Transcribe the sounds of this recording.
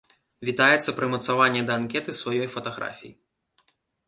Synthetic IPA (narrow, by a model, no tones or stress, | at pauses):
vʲit̪ajɛt̪sːɐpɾɨmɐt̪savanʲːɛd̪ɐːnkʲɛt̪ɨsvajɔjfɐt̪aɣɾa̰fʲḭji